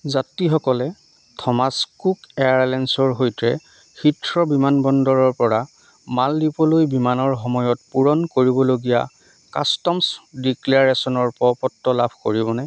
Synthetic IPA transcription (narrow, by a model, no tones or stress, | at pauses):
zatːixɔkɔlɛ | tʰɔmaskukeaɹlɛnsɔɹɦojtɹɛ | xitʰɹɔbimanbɔndɔɹɔɹpɔɹa | maldipɔlojbimanɔɹxɔmɔjɔtpuɹɔnkoɹibɔloɡija̰ | ka̰stɔmsdiklaɹesɔnɔɹpɔpɔtːɔlabʱkoɹibɔnɛ